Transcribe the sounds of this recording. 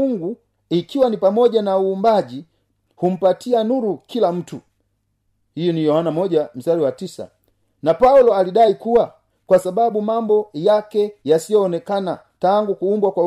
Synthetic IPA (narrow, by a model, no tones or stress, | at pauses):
uŋɡu | ikiwanipamɔɟanauːmbaɟi | hum̩patianuɾukilam̩tu | hijɔnijɔhanamɔɟam̩saliwatisa̰ | napaulɔalidaikuwa | kwasababumambɔjakɛjasijɔːnɛkana | taŋɡukuːmbwakwa